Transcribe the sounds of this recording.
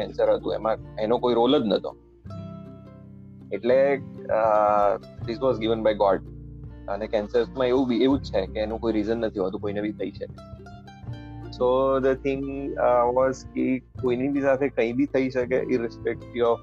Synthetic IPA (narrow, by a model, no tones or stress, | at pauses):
ɛ̃nsəɾɦət̪ũḛmãenokoiɾoləd͡ʒ̪nət̪o̰ | eʈle | d̪ɪsʋɔzɡɪʋənbajɡɔɖənekɛ̃nsəɾsmãeʋũbʱieʋũt͡ʃʰekeːnũkoiɾizənːət̪ʰiɦət̪ũkoinebʱit̪ʰəiʃəke | sod̪ət̪ʰɪ̃ŋɡʋɔzkekoinibʱisat̪ʰekə̃ĩbʱit̪ʰəiʃəkḛʔɪnɾɪspɛk̚ʈiɔf